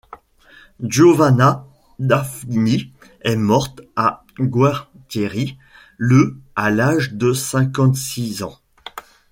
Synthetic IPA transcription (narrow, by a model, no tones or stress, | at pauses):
ʒovana | d̪afini | ɛmɔʁt̪a | ɡwaʁ | t̪eʁi | ləalaʒd̪əsɛ̃kɑ̃t̪sizɑ̃